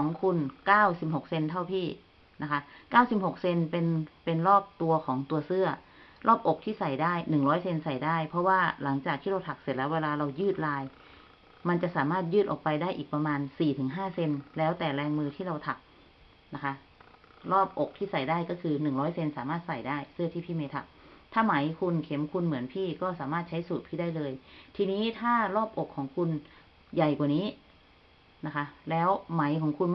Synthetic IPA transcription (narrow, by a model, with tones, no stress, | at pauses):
ɔː˩˦ŋkʰu˧nkaː˥˩wsi˨˩p̚ho˨˩k̚se˧nt̪ʰa˥˩wpʰiː˥˩ | na˦˥kʰa˦˥ʔkaː˥˩wsi˨˩p̚ho˨˩k̚se˧npe˧npe˧nɾɔː˥˩p̚t̪u˧ɐkʰɔː˩˦ŋt̪u˧ɐsɯ˥˩ɐ | lɔː˥˩p̚ʔo˨˩k̚t̪ʰiː˥˩sa˨˩jdaː˥˩jnɯ˨˩ŋɾɔː˦˥jse˧nsa˨˩jdaː˥˩jpʰɔ˦˥waː˥˩la˩˦ŋt͡ɕaː˨˩k̚t̪ʰiː˥˩ɾa˧wt̪ʰa˨˩k̚se˨˩t̪̚lɛ˦˥weː˧laː˧ɾa˧wjɯː˥˩t̪̚laː˧j | ma˧nt͡ɕa˨˩ʔsaː˩˦maː˥˩t̪̚jɯː˥˩ʔɔ̰ː˨˩k̚pa˧jdaː˥˩jʔiː˨˩k̚pa˧maː˧nsiː˨˩t̪ʰɯː˩˦ŋɦaː˥˩se˧nlɛː˦˥wt̪ɛː˨˩lɛː˧ŋmɯː˧t̪ʰiː˥˩ɾa˧wt̪ʰa˨˩p̚ | na˦˥kʰa˦˥ | lɔː˥˩p̚ʔo˨˩k̚t̪ʰiː˥˩sa˨˩jdaː˥˩jkɔː˥˩kʰɯː˧nɯ˨˩ŋɾɔː˦˥jse˧nsaː˨˩˦maː˥˩t̪̚sa˨˩jdaː˥˩jsɯ˥˩ɐt̪ʰiː˥˩pʰiː˥˩ma˧jt̪ʰa̰˨˩p̚t̪ʰaː˥˩ma˩˦jkʰu˧nkʰe˩˦mkʰu˧nmɯ˩˦ənpʰiː˥˩kɔː˥˩saː˩˦maː˥˩t̪̚t͡ɕʰa˦˥jsuː˨˩t̪̚pʰiː˥˩daː˥˩jlɤː˧jt̪ʰiː˧niː˦˥t̪ʰaː˥˩lɔː˥˩p̚ʔo˨˩kʰːɔː˩˦ŋkʰu˧n | ja˨˩jkwaː˨˩niː˦˥ | na˦˥kʰa˦˥lɛː˦˥wma˩˦jkʰɔː˩˦ŋkʰu˧n